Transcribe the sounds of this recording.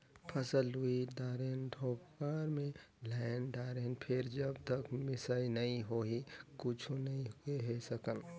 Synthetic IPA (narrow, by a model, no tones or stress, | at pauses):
pʰəsəluid̪aːɾenɖʱoːkːaɾmẽlaɪnɖaːɾenpʰɪɾd͡ʒəbt̪əkmɪsainəĩɦoɦikʊt͡ʃʰunɐĩɦueɦesəkəl